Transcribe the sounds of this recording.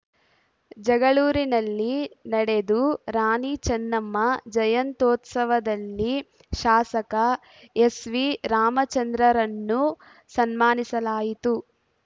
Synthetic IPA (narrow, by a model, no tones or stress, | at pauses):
d͡ʒɐɡɐɭuːɾinɐlːinɐɽe̞d̪uɾaːnit͡ʃɐnːɐmːɐd͡ʒɐjɐnt̪oːt̪sɐʋɐd̪ɐlːi | ʃaːsɐkɐ | esʋiɾaːmɐt͡ʃɐnd̪ɾɐɾɐnːu | sɐnmaːnisɐlaːjit̪u